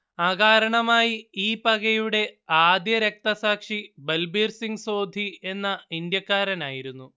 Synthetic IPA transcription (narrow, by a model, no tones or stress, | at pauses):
aːɡaːɾɐɳɐmaːjiiːpɐɣejuɽe̞aːd̪jɐɾek̚t̪ɐsaːkʂibɐlbiːɾsiŋɡso̞ːd̪ʱie̞nːɐind̪jɐkːaːɾɐnaːjiɾunːu